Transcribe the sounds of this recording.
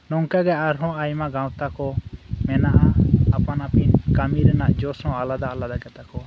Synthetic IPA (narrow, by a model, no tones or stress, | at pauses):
nɔŋkaɡɛʔaɾɦɔ̃ajmaɡãwt̪akɔmɛnaʔaːpanapinkamiɾɛnaʔd͡ʒɔsɔ̃alad̪aːlad̪akɛt̪akɔ